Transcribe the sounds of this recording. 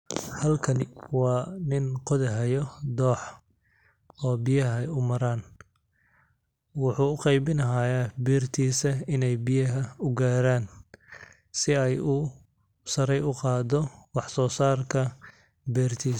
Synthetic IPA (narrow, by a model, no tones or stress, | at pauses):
hɐlkʰɐnɪwɑːnɪnqɔðɛɦɐjɔd̪ɔːħ | ɔːbɪjɐɦɛjʊmɐɾaːn | wʊħuːʊqɑjbɪnɐɦaːjaːbɛːrt̪ʰiːsɐɪnɛjbɪjɐɦɐʊɡaːɾaːn | sɪɛjʊ | sɐɾɛjʊqɑːd̪ɔwɑħsɔːsaːrkʰɐ | bɛːrt̪ʰiːs